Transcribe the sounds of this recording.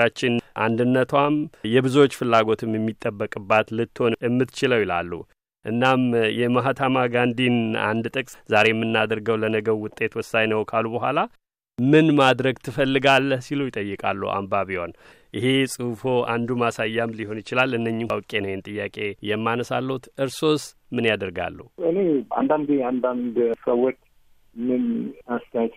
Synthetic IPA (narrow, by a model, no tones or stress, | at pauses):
at͡ʃːɪnʔa̰nd̪ɨnːət̪ʰwamjɛbɨzuwot͡ʃːfɨlːaɡo̞t̪ʰɨmjɛmːit̪ʼːəbːəkʼɨbːat̪lɨt̪ːho̞nɨmːɨt̪ʰːt͡ʃɪləwila̰lːṵ | ʔɨnːamjɛmaɦat̪ʰamaɡand̪ina̰nd̪t̪ʼɨkʼszaɾe̞jɛmːɨnːad̪əɾɡəwlənəɡəβwʊt̪ʼːe̞t̪wɔsajnəwkʰalubəɦʷala | mɨnmad̪ɾəɡt̪ʰɨfəlːɨɡalːəhsilujɪt̪ʼəjːɨkʼa̰lːə̰ʔa̰mbaβiwan | ʔɪɦe̞sʼɨfo̞ʔand̪umasajːamliho̞njɪt͡ʃɪlalɨnːəɲːɪmawkʼenəjɛnt̪ʼɨjːakʼe̞jɛmːanəsalːəhut̪ɨɾso̞s | mɨnjad̪əɾɡa̰lːəhuʔɨnea̰nd̪and̪iand̪and̪səwːot͡ʃː | mɨnast̪ʰɛajt̪ʰ